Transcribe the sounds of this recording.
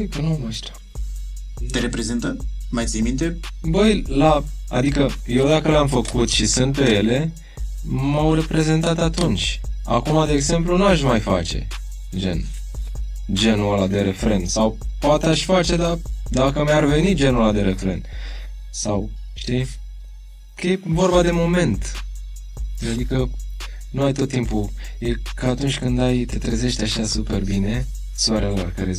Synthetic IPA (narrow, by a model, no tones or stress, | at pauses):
jkənumaʃt̪ḁ | t̪eɾepɾezint̪ə | majt̪sʲijmint̪ebəjlaa̰d̪ikəje̞wd̪akəleamfəkut̪ʃisɨnt̪̚pe̞je̞le̞ | mawre̞pɾe̞ze̞nt̪at̪at̪unt͡ʃʲa̰kumad̪e̞ːɡze̞mplunuaʃmajfa̰t͡ʃe̞̰ | d͡ʒe̞̰n | d͡ʒe̞nualad̪e̞ɾe̞fɾe̞nd̪sawpoat̪eaʃʲfat͡ʃe̞d̪ad̪akəmjarve̞nid͡ʒe̞nulad̪e̞ɾe̞fɾe̞̰n | saw | ʃt̪i | kəjevo̞rbad̪e̞mo̞me̞nt̪ | ad̪ikə | nuajt̪o̞t̪ːimpujekəat̪unt͡ʃʲkɨnd̪ajt̪e̞t̪ɾeze̞ʃt̪ʲaʃasupe̞rbine̞ | suaɾelarkaɾe